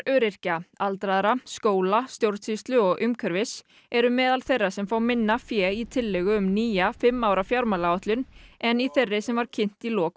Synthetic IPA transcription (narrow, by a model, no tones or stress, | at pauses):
ɾœːɾɪr̥caalt̪ɾaðaɾaskoːwlast̪jowɾt̪ʰist̪lʏɔɣʔʏmkʰœɾvɪs | ɛɾʏmɛːðalθejrːasɛmfaːwmɪnːafjɛːit̪ʰɪlːɛɣʏʏmniːjafɪmːawɾafjawɾmalaɔht̪lʏnɛniθerːɪsɛmvaɾcʰɪn̥t̪ilɔːk